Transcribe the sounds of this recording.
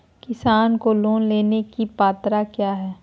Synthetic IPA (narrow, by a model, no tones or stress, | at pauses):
kɪsaːnkoloːnleːnekipaːt̪ɾakjaːɦɛː